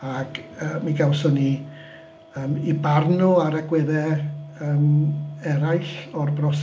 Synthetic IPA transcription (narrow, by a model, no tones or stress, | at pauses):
akəmiɡawsɔni | əːmibarnʊaɾəɡwɛðɛəːmɛɾajɬɔrbrɔs